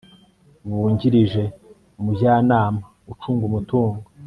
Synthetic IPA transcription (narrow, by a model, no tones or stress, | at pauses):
βuːɲɟiɾiʒe̞ | mubjaːnaːma | ut͡ʃuːŋɡumutuːŋɡo